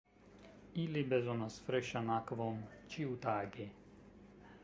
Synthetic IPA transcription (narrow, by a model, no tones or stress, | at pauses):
ilibɛzɔnasfɾɛʃanakʋɔmt͡ʃiut̪aːɡɛ